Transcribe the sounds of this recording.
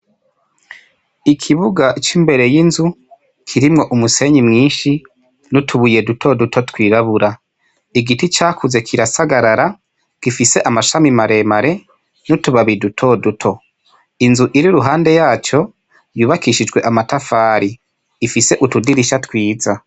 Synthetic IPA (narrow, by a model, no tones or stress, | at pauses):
ikʰiβuɡat͡ʃimbe̞ɾe̞jinzu | kʰiɾimŋo̞ʔumuse̞ɲimŋiːnʃi | nutʰuβuje̞dutʰo̞dutʰo̞twiːɾaβuɾa | iɡitit͡ʃaːkʰuze̞kʰiɾasaɡaɾaɾa | ɡ̥ifise̞ʔamaʃamimaɾe̞maɾe̞ | nutuβaβidutʰo̞ːdutʰo̞ | inzuʔiɾiɾuɦaːnde̞jaːt͡ʃo̞ | juːβakiʃid͡ʒɡwe̞ʔamatafaːɾi | ifise̞ʔutudiɾiʃatwiːza